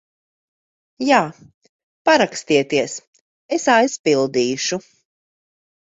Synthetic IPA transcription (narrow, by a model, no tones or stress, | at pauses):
jaː | paɾakst̪iɛt̪iɛs | esajspilˠd̪iːʃu